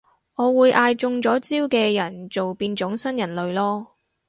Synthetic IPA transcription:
ŋɔː˨˧wuː˨˧jʔaː˧jt͡sʊ˧ŋt͡sɔː˨˥t͡siː˥wkɛː˧jɐ˨˩nt͡so˨wpiː˧nt͡sʊ˨˥ŋsɐ˥njɐ˨˩nlɵ˨˧ɥlɔː˥

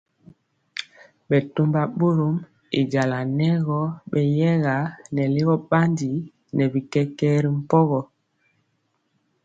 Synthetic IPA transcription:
ɓɛ˨to˦mba˦˨ɓo˦ɾo˦m | ḭ˨ɟa˨la˨nɛ˦ɣɔ˦ɓɛ˨jɛ˦ɣa˨˦nɛ˨li˦ɣɔ˦ɓa˦ndi˨˦ | nɛ˨bi˨kɛ˦kɛ˦ɾi˦m̩˦pɔ˦ɣɔ˨

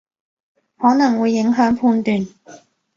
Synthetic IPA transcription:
hɔː˨˥nɐ˨˩ŋwuː˨˧jːɪ˨˥ŋɦœː˨˥ŋpʰuː˧nt̪yː˨˧n

